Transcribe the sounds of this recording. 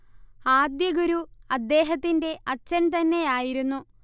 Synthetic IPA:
aːd̪jɐɡuɾuɐd̪ːe̞ːɦɐt̪ːinde̞ʔɐt͡ɕːɐnt̪ɐnːe̞jaːjiɾunːu

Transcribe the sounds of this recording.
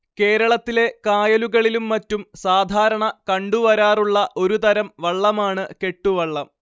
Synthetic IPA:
ke̞ːɾɐɭɐt̪ːile̞kaːjɐluɣɐɭilumːɐtːumsaːd̪ʱaːɾɐɳɐkɐɳɖuʋɐɾaːruɭːɐʔo̞ɾut̪ɐɾɐmʋɐɭːɐmaːɳɨke̞ʈːuʋɐɭːɐm

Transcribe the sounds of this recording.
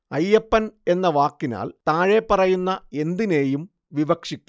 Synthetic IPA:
ɐjːɐpːɐne̞nːɐʋaːkːina̰ːlt̪aːɻe̞pːɐrɐjunːɐe̞nd̪ine̞ːjum | ʋiʋɐkʂikʲːu

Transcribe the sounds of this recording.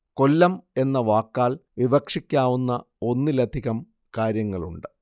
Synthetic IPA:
ko̞lːɐme̞nːɐʋaːkːaːɭʋibɐkʂikʲːaːʋunːɐ | o̞nːɨlɐd̪ʱiɣɐm | kaːɾjɐŋːɐɭṵɳɖɨ

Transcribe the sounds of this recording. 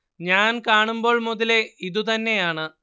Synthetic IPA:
ɲaːnkaːɳumbo̞ːɭmuðile̞iðut̪ɐnːe̞jaːɳɨ

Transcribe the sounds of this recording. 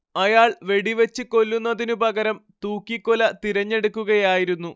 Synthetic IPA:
ɐjaːɭʋe̞ɽiʋet͡ɕːɨko̞lːunːɐðinupɐɣɐɾɐmt̪uːkːikːolɐt̪iɾɐɲːe̞ɽukːuɣɐjaːjiɾunːu

